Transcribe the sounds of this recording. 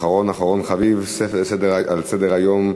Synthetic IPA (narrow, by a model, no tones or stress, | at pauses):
χaʁo̞naχaʁo̞nχavivsefsed̪eʁalsed̪eʁajom